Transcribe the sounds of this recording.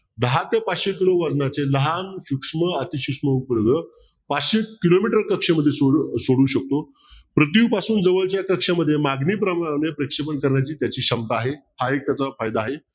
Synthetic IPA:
d̪əɦat̪japatɕek̬iloʋad͡znat͡seləɦanɕukʂməət̪iɕukʂməupəɽɡə | paɕekilomiʈəɾkəkʂeməd̪ʱːjesosoɽuːɕək̚t̪o | pɾət̪̬jiwpasuːnd͡zəʋəlt͡ɕjakəkʂaməd̪ʱːjemaɡniːpɾəmaɽanjepɾekʂepənkəɾɳjat͡ɕiːt̪jat͡ɕiːɕəmt̪aːɦehaek̚t̪jat͡safajd̪aːɦe

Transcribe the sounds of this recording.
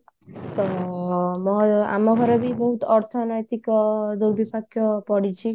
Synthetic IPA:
t̪ɔ | mɔa̰mɔkʰɔɾɔbibɔɦut̪ɔɾt̪ʰɔnɔjt̪ikɔd̪uɾbipakjɔpɔɽit͡ʃʰi

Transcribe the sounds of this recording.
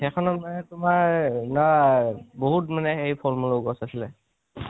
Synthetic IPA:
xɛkʰɔnɔmanɛtʊmaɹnɔ | boɦutmanɛxejpʰɔlmɔloɡɔsasilɛ

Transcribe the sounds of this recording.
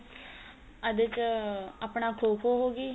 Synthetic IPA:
əd̪ɪt͡ʃaːpɳaːkʰoːkʰoːɦoːɡiː

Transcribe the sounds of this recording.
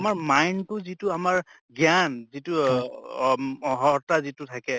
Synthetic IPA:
amaɹmajntʊzitʊamaɹ | ɡjanzitu | ɦɔtazitʊtʰakɛ

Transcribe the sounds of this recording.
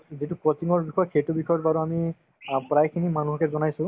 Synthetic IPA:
zitupɹɔt̪iŋɔɹbixɔjkʰetubixɔjɔɹbaɹuami | pɹajkʰinimanuɦɔkɛzɔnajsʊ̃

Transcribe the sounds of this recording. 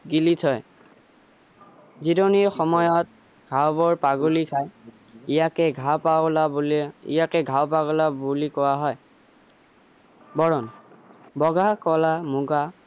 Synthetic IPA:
ɡilitʰɔj | zidɔniɹxɔmɔjɔt̚ | ɡ̥ʱawbɔɹpaɡulikʰaj | ijakɛɡʱawpalabulḭjakɛɡʱawpaɡɔlabulikɔwaɦɔj | bɔɹɔnbɔɡakɔlamuɡa

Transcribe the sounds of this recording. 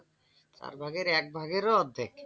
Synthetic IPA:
t͡ɕa̰ɾbʱaɡeɾɛk̚bʱaɡeɾoɔd̪ʱːek

